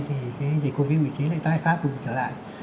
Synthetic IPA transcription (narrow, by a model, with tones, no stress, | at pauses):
t̪ʰi˨˩kaː˨˦zi˨˩ko˧vi˦˧˥t̚mḭ˨˧˨t͡ɕi˨˦nla̰ː˧˨t̪aː˧˨jfaː˦˥p̚ku˨˧˩t͡ɕəː˧˩la̰ː˧˨jʔ